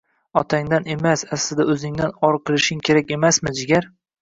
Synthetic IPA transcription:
ɒt̪ʰaŋd̪ane̞masaslɪd̪aɵzɪŋd̪anɒɾqʰɨlˠɪʃɪŋkʲʰe̞ɾak̚ʲe̞masmɪd͡ʒɪɡʲaɾ

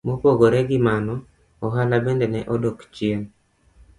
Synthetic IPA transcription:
mopoɡoɾɛɡɪmanɔ | ɔɦalabɛndɛnɛʔɔdokt͡ʃeŋ

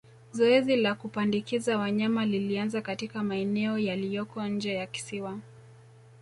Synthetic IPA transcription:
zɔɛzilakupandikizawaɲamalilianzakatikamaɛnɛɔjalijɔkɔɲ̩d͡ʒɛjaki̥siwa

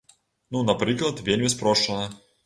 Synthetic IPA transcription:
nunɐpɾʲiklˠət̪vʲelʲmʲɪspɾoʂənə

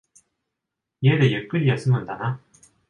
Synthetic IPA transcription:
iedejɯk͈ɯʎijʌs͈ɯmɯndana

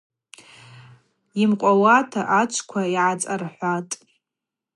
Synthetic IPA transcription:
imqʷʼawatʰaʔat͡ʃʷʰkʷʰaiʕat͡sʼarħʷatʼ

